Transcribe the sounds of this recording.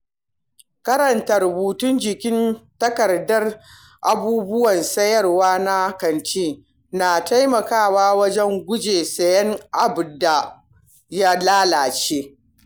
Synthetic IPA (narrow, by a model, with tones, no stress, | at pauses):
kɐ˦ɾɐ˨ntɐ˨rbuː˨tʊ˦nd͡ʒɪ˨kʲɪ˦ntɐ˦kɐ˨rdɐ˦r | ʔa˨buː˦bʊ˦wɐ˨nsɐ˦jɐ˦˨rwaː˦na˦kɐ˨nt͡ʃiː˦ | na˨ta˦jmɐ˨kaː˦˨waː˦wɐ˦d͡ʒɛ˦ŋɡʷʊ˦d͡ʒeː˨sɐ˨jɛ˦ŋʔa˨bda˨ | ja˦laː˦laː˨t͡ʃeː˦